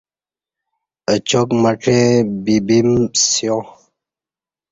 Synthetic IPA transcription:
ət͡ʃɔkmaʈ͡ʂɛ̃bibimsjɔ̃

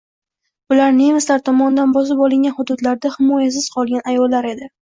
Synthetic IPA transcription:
bʊlaɾnemaslaɾt̪ʰɒmɒnɪd̪anbɒs̬ɪpɒlˠɪŋɡʲanhʊd̪ʊd̪laɾd̪ahɪmɒjas̬ɪz̥qʰɒlˠɡʲanajɒlːaɾe̞d̪ɪ

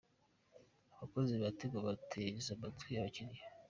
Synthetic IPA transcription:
aβakoziβateɡaβatʰezabatiaβaciɾija

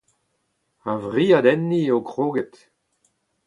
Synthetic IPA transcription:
avʁiːad̪ɛnːiokʁoːɡet̪

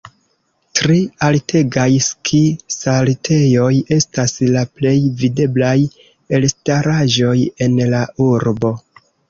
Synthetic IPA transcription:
tɾialtʰe̞ɡajskʰisaltʰe̞jo̞je̞staslaple̞jvide̞blaj | e̞lstaɾaʒo̞je̞nlaʔuɾbo̞

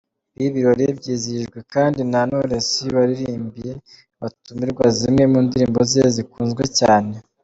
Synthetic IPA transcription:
βiβiɾo̞ɾebɟiːziʒɡwe̞kaːndinanoɾesiβaɾiɾiːmbije̞ | βatumiɾɡwazimŋe̞muːndiɾiːmbo̞zezikuːnzɡwecaːne̞

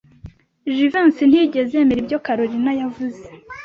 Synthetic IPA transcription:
ʒivansin̥hiɟe̞zemiɾibɟo̞kaɾoɾinajavuze̞

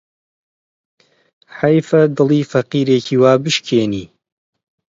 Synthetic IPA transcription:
ħɐjfɐd̪ɨlˠiːfɐqiːɾeːcʰiːwaːbɨʃkʰeːniː

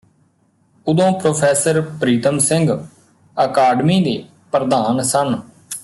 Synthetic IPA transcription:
ʊd̪õːpɾoːpʰɛːsəɾpɾiːt̪əmsɪ̃ŋɡ | əkaːɖmiːd̪eː | pɾəd̪aːnsən

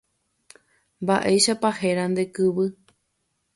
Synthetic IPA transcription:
mbaʔejʃapahe̞ɾand̪e̞kɨβɨ

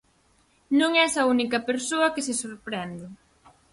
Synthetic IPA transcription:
nõŋɛsɐunikɐpeɾsoɐkɪsɪsoɾpɾɛnd̪e

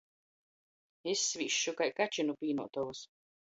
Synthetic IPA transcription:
esːvʲiʃːukajkat͡ʃinupʲiːnuɔt̪ɔvus

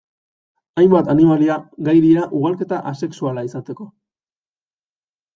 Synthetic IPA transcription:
ajmbat̪animaliaɣajɾiaʔuɣ̞alke̞t̪aʔase̞ksualaisat̪e̞ko̞

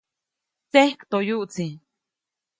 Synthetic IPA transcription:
t͡sehkt̪ojuʔt͡si

